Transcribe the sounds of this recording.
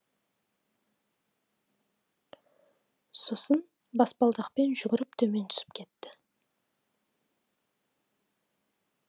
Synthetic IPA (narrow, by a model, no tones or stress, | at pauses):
so̞sən | bɑspɑlˠd̪əqpe̞nʒʏɡʲɪɾɪp̚t̪ʰɵme̞nt̪ʰʏ̥sɪ̥p̚kʲʰe̞t̪ːɪ